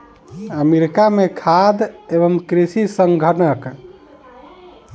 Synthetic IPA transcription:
əmiɾkamekʰad̪eβəmkɾisisəŋɡʱənək

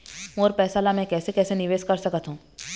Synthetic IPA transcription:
moːɾpɛːsaːlamɛ̃kɛːsekɛːsenɪʋeːskɐɾsɐkət̪ɦũː

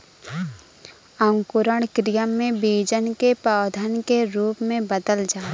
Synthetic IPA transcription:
ə̃ŋkʊɾəɽ̃kɾijəmːẽbeːd͡ʒənkepaːd̪ʱənkeɾuːpmẽbəd̪əld͡ʒaː

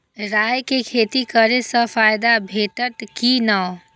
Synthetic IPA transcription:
ɾajkekʰet̪ikəɾesə̃pʰajd̪abʱeʈəʈ̪kinə

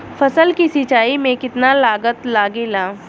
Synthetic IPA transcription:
fɐsəlkisit͡ʃaːimẽkɪt̪nalaːɡət̪laːɡeːlaː

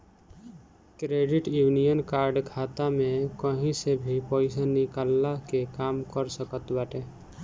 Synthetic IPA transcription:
kɾeɖiʈjunijənkaɾɖkʰat̪amekəɦĩsebʱipəɪsanikalːakekamkəɾsəkət̪baʈe

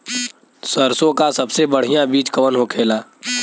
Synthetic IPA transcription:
səɾsõkasɐbsebəɽ̤ijãbiːt͡ʃkəʋənɦokʰeːlaː

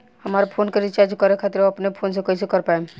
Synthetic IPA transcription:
həmaɾpʰoːnkəɾit͡ʃaɾd͡ʒkɔɾekʰat̪ɪɾɐpnepʰoːnsekɔisekɔɾpaem

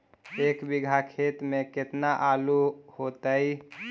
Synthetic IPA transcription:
eːkbɪɡʱakʰeːt̪mẽkɪt̪naʔaːluhot̪əi

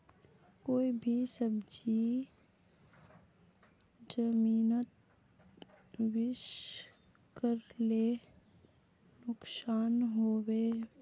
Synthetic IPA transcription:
koːibʱisəbd͡ʒi | d͡ʒəmiːnət̪̚ | wɪʃ | kəɾle | nʊksaːnɦoːweː

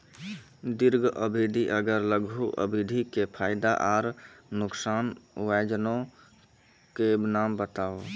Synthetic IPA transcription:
d̪iɾɡʱʔəbʱid̪ʱiʔəɡəɾləɡʱuʔə̰bʱid̪ʱikepʰaːɪd̪aʔaːɾnʊksaːnʋad͡ʒnõ | kebnaːmbət̪aːo

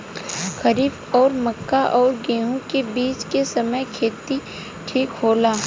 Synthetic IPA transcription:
xɐɾiːb | ɔːɾmɐkːaʔɔːɾɡeːɦũkebiːt͡ʃkesɐməjkʰeːt̪i | ʈʰiːkɦoːlaː

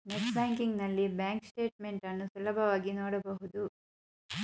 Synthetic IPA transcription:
neʈbaːŋkiŋɡnɐlːibaːŋksʈe̞ːʈ̚me̞ɳʈɐnːusulɐbʱɐʋaːɡinoːɽɐbɐɦud̪u

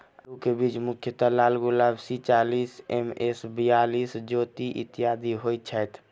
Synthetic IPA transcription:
ukebit͡ʃmukʰjət̪əlalɡulabsit͡ʃalisemesbijalisd͡ʒot̪iʔḭt̪ːijad̪iɦojt̪̚t͡ʃʰəjt̪ʰ

